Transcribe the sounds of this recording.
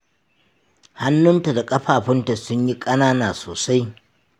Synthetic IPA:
ha˦nːʊ˦nta˨da˨kʼɐ˦ɸaː˨ɸɪ˦nta˨sʊ˦ɲji˦kʼɐ˦naː˦naː˨soː˨sa˦j

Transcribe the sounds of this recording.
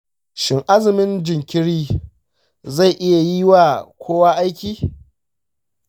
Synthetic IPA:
ʃɪ˨ŋʔa˦zɪ˨mɪ˦nd͡ʒɪ˨ŋkʲɪ˦ɽiː˦ | za˦˨jʔɪ˦ja˨ji˦wa˨kʷʰoː˦waː˦ʔa˦jkʲiː˦

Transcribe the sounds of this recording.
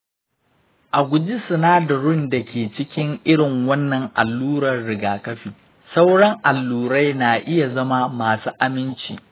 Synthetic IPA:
ʔa˨ɡʷʊ˨d͡ʒi˦sʊ˨naː˦dɐ˨ɽʊ˦˨nda˨kʲeː˨t͡ʃɪ˦kʲɪ˦ŋʔɪ˦ɽɪ˨ŋwɐ˦nːɐ˨ŋʔa̰˨lːuː˦ɾɐ˨rɽɪ˨ɡaː˨kɐ˦ɸiː˨ | sa˦wɽɐ˦ŋʔa˨lːuː˦˨ɾa˦jnaː˨ʔɪ˦ja˨zɐ˦ma˦maː˨suː˦ʔa˨mɪ˦nt͡ʃḭː˨

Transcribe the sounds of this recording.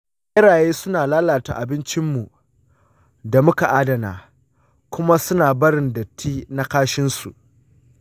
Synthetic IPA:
ʔɪ˦ɽaː˨jeː˦sʊ˦naː˨laː˦laː˨ta̰˨ʔa˨bɪ˦nt͡ʃɪ˦mːu˨ | da˨mʊ˦ka˨ʔa˦dɐ˨na̰ː˨ | kʷʊ˦ma˦sʊ˦naː˨bɐ˦ɽɪ˨ndɐ˨tʰːiː˦na˦kaː˦ʃɪ˦nsṵ˨ʔ

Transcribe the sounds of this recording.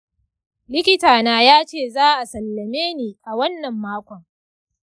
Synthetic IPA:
lɪ˦kʲɪ˦taː˨naː˦jaː˦t͡ʃeː˦˨zaː˦ʔa˨sɐ˨lːɐ˨meː˦niː˨ʔa˨wɐ˦nːɐ˨mːaː˦kʷɔ˨ŋ

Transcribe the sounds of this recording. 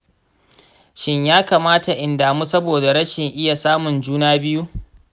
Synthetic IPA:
ʃɪ˦ɲjaː˦kaː˨maː˦ta˨ʔɪ˨ndaː˨mu˦sɐ˦boː˨da˨ɾɐ˦ʃɪ˨ŋʔɪ˦ja˨saː˦mʊ˨nd͡ʒuː˦naː˦bɪ˦ju˦ʔ

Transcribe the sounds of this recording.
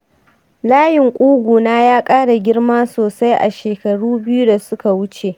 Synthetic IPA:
laː˦jɪ˨ŋkʷʼuː˦ɡʷuː˨naː˦jaː˦kʼaː˦ɽa˨ɡʲɪ˦ɽmaː˦soː˨sa˦jʔa̰˨ʃeː˨kɐ˨ɽuː˦bɪ˦ju˦da˨sʊ˦ka˨wʊ˦t͡ʃe˨

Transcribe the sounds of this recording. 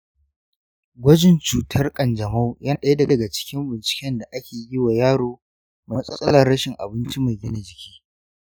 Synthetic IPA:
ɡʷɐ˦d͡ʒɪ˨nt͡ʃuː˨tʰɐ˦rkʼɐ˨nd͡ʒɐ˨ma˦wjaː˦ɗɐ˦je˦dɐ˨dɐ˨ɡa˨t͡ʃɪ̥˦kʲɪ˦mbɪ˨nt͡ʃɪ̥˨kʲɛ˦nda˨ʔa˦kʲeː˨˦jɪ˦wa˨jaː˦ɽoː˦ | ma˨˦sʼɐ˦sʼɐ˦lɐ˨rːɐ˦ʃɪ˨ŋʔa̰˨bɪ˦nt͡ʃi˦ma˨jɡɪ˦na˨d͡ʒɪ˨kʲiː˦

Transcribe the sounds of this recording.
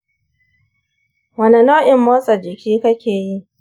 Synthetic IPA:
wɐ˨nɐ˨noː˦ʔɪ˨mːoː˦sʼɐ˨d͡ʒɪ˨kʲiː˦kɐ˦kʲeː˨ji˦ʔ

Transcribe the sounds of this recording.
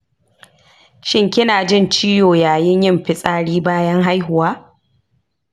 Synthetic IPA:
ʃɪ˦ŋkʲɪ˦naː˨d͡ʒɪ˦˨nt͡ʃiː˦joː˨jaː˨jɪ˦ɲjɪ˦˨mɸɪ˦sʼaː˦ɽiː˦baː˦jɐ˦ŋɦa˦jɦʊ˨waː˦

